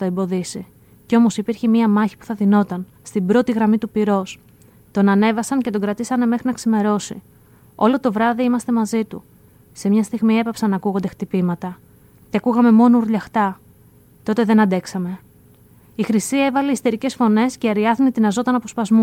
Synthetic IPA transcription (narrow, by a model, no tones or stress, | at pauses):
t̪oembo̞ðisi | ceo̞mo̞sipiɾçemiɐmɐçi̥pu̥θɐðino̞t̪ɐn | st̪ibɾo̞t̪iɣɾɐmit̪upiɾo̞s | t̪o̞nɐne̞vɐsɐnce̞t̪o̞ɡɾɐt̪isɐne̞me̞xɾinɐksime̞ɾo̞si | o̞lo̞t̪o̞vɾɐðiimɐst̪e̞mɐzit̪u | se̞mɲɐst̪iɣmie̞pɐpsɐnɐkuɣo̞nd̪ext̪ipimɐt̪ɐ | ceɐkuɣɐme̞mo̞nuɾʎɐxt̪ɐ | t̪o̞t̪e̞ðe̞nɐnd̪e̞ksɐme̞ | ixɾisiɐe̞vɐleist̪e̞ɾice̞sfo̞ne̞sceɐɾiɐθnit̪inɐzo̞t̪ɐnɐpo̞spɐzmu